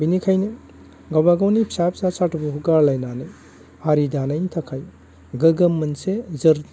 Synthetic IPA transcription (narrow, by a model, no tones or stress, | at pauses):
binikʰajne | ɡawbaɡawnipʰi̥sap̚sasatʰubuɦuɡaɾlajnanɯ | haɾidanajtʰakʰaj | ɡɯɡɐmːɐnsezɯɾ